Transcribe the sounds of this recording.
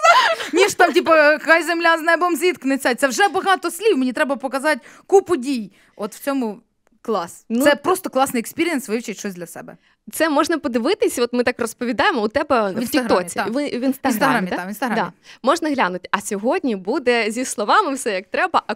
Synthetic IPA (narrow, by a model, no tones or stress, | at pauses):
nʲiʂt̪ɑmtʲipɐkɐkajzemlʲaznɛbɔmzʲʋʲit̪knɪt͡sʲat̪ɛwʐɛbɐɦɑt̪ɔsʲlʲiwmenʲit̪ɾɛbɐpɔkɐzɑt̚ʲ | kupʊdʲij | ɔt̪w̥t͡sʲɔmʊ | klˠɑsnuɛpɾɔst̪ɔklˠɑsnɨjɛkspʲiɾʲɪɛnsʋɪwt͡ʃɪtʲʃt͡ʃɔsʲd̪lʲɐsɛ̰bɛ̰ | t̪sɛmɔʐnɐpɔd̪ɪʋɪt̪ɪsʲɐɔt̪mɪt̪ɑkrɔspɔʋʲid̪ɑjɪmɔʊt̪ɛbɛtʲiɦɾɔt͡sʲiʋɪʋʲinst̪ɐnsɾamamʲd̪ʲinst̪ɐɾad̪a̰mɔʐnɐɦlʲanʊtʲɐsʲɔɦɔdʲnʲibud̪ɛzʲixslˠɔʋɑmɪwsɛjɐk̚t̪ɾɛbɐʔɐ